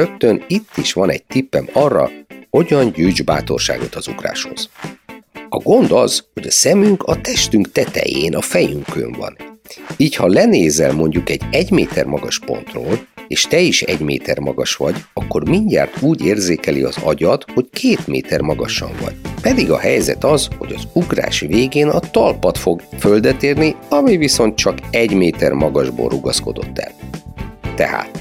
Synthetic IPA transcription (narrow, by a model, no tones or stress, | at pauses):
økt̪ønit̪ːiʃʋɒnɛɟ̚t̪ipːɛmɒrːɒ̰ho̞ɟɒnɟyːd͡ʒbaːt̪o̞rʃa̰ːɡo̞t̪ɒzukra̰ːʃho̞z̥ | ɒɡo̞nd̪ɒz̥ho̞ɟɒsɛmyŋkɒt̪ɛʃt̪yŋkt̪ɛt̪ɛ̰jeːnʔɒfɛjyŋkøɱvɒ̰niːchɒlɛneːzɛlmo̞ɲɟukɛɟːɛɟmeːt̪ɛrmɒɡɒʃpo̞̰nt̪roːleːʃt̪ɛiʃɛɟmḛːt̪ɛrmɒɡɒʃʋɒɟɒkːo̞rmiɲɟa̰ːrt̪uːɟeːrzeːkɛlḭɒzɒ̰ɟɒt̪ho̞ckʰeːt̪mḛːt̪ɛrmɒɡɒʃɒɱvɒ̰ɟ̥pɛd̪iɡɒhɛjzɛ̰t̪ɒzho̞ɟɒzuɡra̰ːʃʋeːɡeːnɒt̪ɒlpɒt̪fo̞ɡføld̪ɛt̪eːrniɒmiviso̞nt̪̚t͡ʃɒkɛɟmeːt̪ɛrmɒɡɒʒbo̰ːruɡɒsko̞d̪o̞̰t̪ːɛ̰l | t̪ɛ̰ha̰ːt̪